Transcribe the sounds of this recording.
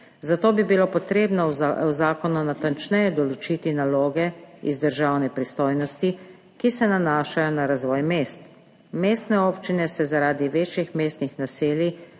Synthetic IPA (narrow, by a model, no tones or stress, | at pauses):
zat̪oːbibilopɔt̪ɾeːbnɔwzaːkɔnɔnat̪ant͡ʃnɛjɛd̪ɔlɔt͡ʃit̪inaloːɡɛizd̪əɾʒawnɛpɾist̪oːjnɔst̪i | kisɛnanaːʃajɔnaɾazʋɔːjmeːst̪ | meːst̪nɛopt͡ʃinɛsɛzaɾaːd̪iʋeːt͡ʃjixmeːst̪nixnaseːlji